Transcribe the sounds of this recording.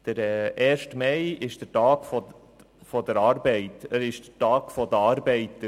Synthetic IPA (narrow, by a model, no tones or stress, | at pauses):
d̪̥əɾɛːɛːɾʃtmɛjɪʃd̥ətɑːɡ̥fɔ | fɔd̥əɾɑːɾbɛɪt̪əɾɪʃd̥ətɑːɡ̥fɔd̪əɑːɾbɛɪtːə